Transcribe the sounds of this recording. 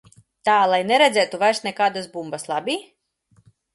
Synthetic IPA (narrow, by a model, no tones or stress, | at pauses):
t̪aːlˠajnɛɾɛd̪zɛːt̪uvajɾsnɛkaːd̪asbumbaslˠabʲiː